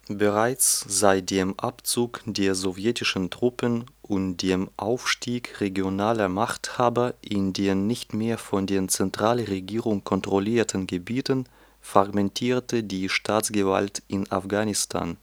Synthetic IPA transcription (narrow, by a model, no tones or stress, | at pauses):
bəʁaɪt͡sz̥aɪt̚d̥eːmʔapt͡suːkd̥eːɐzɔvjɛtɪʃn̩tʁ̥ʊpənʔʊntd̥eːmʔa̰ʊfʃtiːkʁeɡjonaːlɐmaχthaːbɐʔɪndeːnnɪçtmeːɐfɔndeːɐt͡sɛntʁ̥aːləʁeɡiːʁʊŋkʰɔntʁ̥ɔliːɐtʰən̩ɡəbiːtən | fʁ̥aɡmɛntʰiːɐtədiːʃtʰaːtt͡sɡ̥əva̰ltʔɪna̰fɡ̥aːnɪstʰa̰ːn